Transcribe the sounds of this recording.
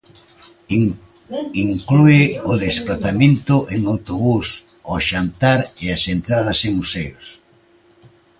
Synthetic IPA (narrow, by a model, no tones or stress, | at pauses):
iŋkluɪʊðesplaθamẽnt̪ʊʔeŋawt̪oβus | oʃant̪aɾeasent̪ɾaðɐseŋmusejʊs